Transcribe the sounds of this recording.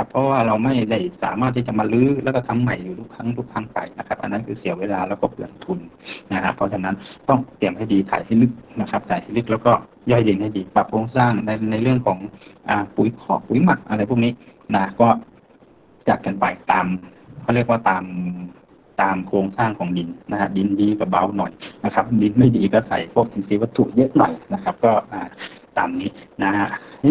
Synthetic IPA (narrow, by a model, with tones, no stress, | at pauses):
kʰa˧pʰːɔ˧waː˧˩ɾla˧wma˧˥˩jda˧˩jsa̰ː˨˦maː˧˩t̪ʰːiː˧˩t͡ɕa˧˨maː˧lɯː˧˥˨lɛː˧˥˩kɔ˧˩t̪ʰmːa˧˩jːuː˨˩t̪ʰu˧˥k̚t̪ʰa˧˥˨ŋt̪ʰu˧˩k̚tʰa˧˥ŋpa̰˨˩jna˧kʰa˦˧p̚ʔa̰˨nːa˧˥˨kʰɯː˧si˨˦weː˧˥laː˧lɛː˧˩wkɔː˧˥˩pʰɯ˨˩˨n˧t̪ʰu˧˩nna˧˩ha˧pʰɔ˧t͡ɕʰa˧na˦˥nt̪ɔ˧˥˩ŋt̪i˨˩əmha˧˩jdiː˨t̪ʰa̰ː˨˦jha˧˩˨jlɯ˧˥˩k̚na˧kʰa˧˥p̚t̪ʰaː˨˩jha˧˩˨lɯ˧˥k̚lɛː˧˩wkɔː˧˩ | jɔ˧˩jde˨˩ŋha˧˥˩jdiː˨˩pa˧˩p̚kʰoː˧ŋsaː˧˥˩ŋna˧na˧jlɯ˥˩əŋkʰɔː˨˦ŋʔaː˨˩puː˨˩˦jkʰɔː˨˦puː˨˩˦jma˨˩k̚ʔa̰˧la˧jpʰu˧˥˩niː˦˥na˧ha˧˥kɔː˧˩ | t͡ɕaː˨˩k̚kːa˨npa˨˩jt̪aː˨mkʰɔː˧˩˨li˥˩ək̚waː˧˥˩t̪aː˨m | t̪aː˨mkʰoː˧ŋsaː˥˩ŋkʰɔː˨˦ŋdi˨˧nna˧ha˧˥di˧˦ndiː˧ka˧˩ba˧wnɔ̰˨˩jna˧kʰa˧˥p̚di˨˧˦nma˥˩jdiː˨˩kɔː˧˩sa̰˨˦jpʰɔ˧˩k̚sʰi˨˦siː˨˦wa˧˥t̪ʰːṵ˧˩ʔjɤ˧˦˧ʔnɔ˨˩jna˧˥kʰa˦˧˥p̚kɔː˥˩ʔaː˨˩t̪a̰ː˨mniː˦˥na˧ha˧h